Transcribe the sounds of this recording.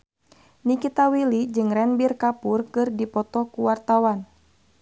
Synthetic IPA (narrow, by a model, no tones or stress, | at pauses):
nikit̪awilid͡ʒɨŋrɛnbirkapurkɨrdipɔt̪ɔkuwart̪awan